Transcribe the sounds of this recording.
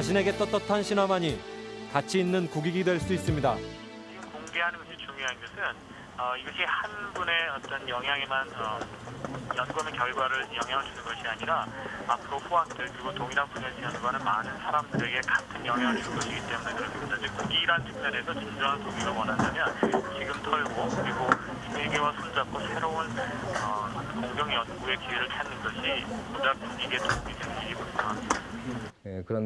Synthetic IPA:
t͡ɕaɕʰine̞ɡe̞t͈ʌt͈ʌtʰanɕʰinamaɲikat͡ɕʰiinːɯnkoɡiɡidwe̞ɭs͈uis͈ɯmɲida | t͡ɕiɡɯmkoŋɡe̞ɦanɯnɡʌɕʰit͡ɕumjoɦanɡʌsʰɯn | ʌiɡʌɕʰihanbune̞ʌt͈ʌnjʌŋɦjaŋemanʌ | janɡoɦamʌnkjʌɭɡwaɾɯɭjʌŋɦjaŋɯɭt͡ɕunɯnɡʌɕʰiaɲiɾaapʰɯɾoɸuɦaŋt͈ɯɭkɯɾiɡotoŋiɾanpunesʰiʌnɡʌnɯnmanɯnsʰaɾamdɯɾe̞ɡe̞katʰɯnjʌŋɦaŋɯɭt͡ɕunɯnɡʌɕʰiɡit͈e̞munekɯɾʌs͈ɯmɲidad͡ʑɯk̚kuɡiɾant͡ɕʰɯŋmnenesʰʌt͡ɕʰind͡ʑʌŋɦantoŋiɡawʌnɦandamjʌnt͡ɕiɡɯmtʰʌɭɡokɯɾiɡo | eɡewasʰond͡ʑak͈ʰosʰe̞ɾounʌkoŋɡjʌŋjʌnɡue̞kieɾɯɭtʰanɯnɡʌɕʰibudapuɡiɡe̞toŋɡidenɯnɲiɡiboaɦamia | ekɯɾʌn

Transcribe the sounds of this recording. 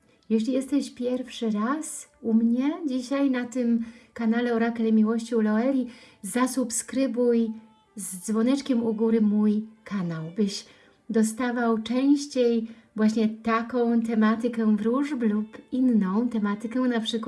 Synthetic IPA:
jɛɕlʲijɛst̪ɛɕpʲjɛɾfʂɘɾasumɲɛd͡ʑiɕajnat̪ɘmkanalɛɔɾakɛlɛmʲiwɔɕt͡ɕiwlɔɛlʲizasupskɾɘbuj | zd̪zvɔnɛt͡ʂkʲɛmuɡuɾɘmujkʰanawbɘɕ | d̪ɔst̪avawt͡ʂɛ̃w̃ɕt͡ɕejvwaɕɲɛt̪akɔ̃w̃t̪̬ɛmat̪ɘkɛvɾuʐblupinːɔ̃w̃t̪ɛmat̪ɘkɛ̃napʂɘkw

